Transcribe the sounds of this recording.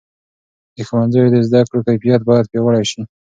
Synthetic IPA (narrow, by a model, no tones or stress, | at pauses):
d̪əxawanzajod̪ezd̪akɽokajfijat̪̚bɑjad̪̚pewəɽajʃi